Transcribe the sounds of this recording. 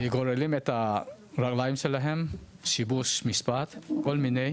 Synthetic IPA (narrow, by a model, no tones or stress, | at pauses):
iɡɔɾelimeta | ɾak̚lajmselaɦem | sibusmispat̪kɔlminej